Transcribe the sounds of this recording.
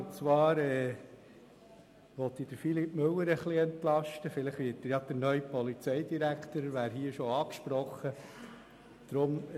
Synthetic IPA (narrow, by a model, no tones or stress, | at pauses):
t͡sʋɑːɾɛː | ʋɔt̪ːid̥əɾfilipmɵwːəɾəχliɛnt̪lɑʃtəfɪləχʋɪːtəjɑd̪̥əɾnœʏpɔlit͡sɛjdiɾækʰt̪əɾʋæːɾɦiəʃɔɑːkʃpɾɔχːə | d̥ɾʊm